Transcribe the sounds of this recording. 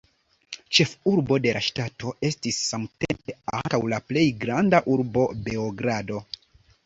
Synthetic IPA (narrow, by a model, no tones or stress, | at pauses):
t͡ʃe̞fuɾbo̞de̞lʔa̰ʃtato̞e̞stisːamtempe̞a̰ŋkawlaple̞jɡɾandaʔuɾbo̞be̞oɡɾado̞